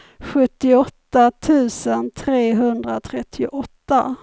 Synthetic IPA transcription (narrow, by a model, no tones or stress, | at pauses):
ɧɵt̪ːɪɔtt̪ːat̪ʰʉ̟ːsənt̪ʰɾeːɦɵnd̪ɾat̪ʰɾɛt̪ʰːɪʊʔɔt̪ːa̰